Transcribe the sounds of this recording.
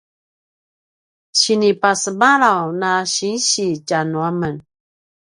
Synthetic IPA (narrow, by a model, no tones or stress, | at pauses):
ɕinipasəbaɾawnaɕinɕit͡ɕanuamən